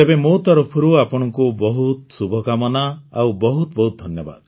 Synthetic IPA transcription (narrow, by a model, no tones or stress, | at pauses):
ebemot̪ɔɾɔpʰɔɾuapɔɽ̃ɔŋkubɔɦut̪subʱɔkamɔnaawbɔɦut̪ɔbɔɦut̪̚d̪ʱɔnjɔba̰d̪